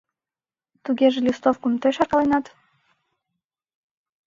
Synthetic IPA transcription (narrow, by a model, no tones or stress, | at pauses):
t̪uɣeʒelʲist̪ofkumt̪øʃɑrkɑlenɑt̪